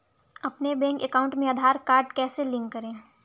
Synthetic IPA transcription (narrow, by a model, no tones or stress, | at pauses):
ɐpnebɛ̃ːŋkekaːʊ̃ɳʈmẽad̪ʱaːɾkaːɾɖkɛːselɪ̃ŋkːɐɾẽː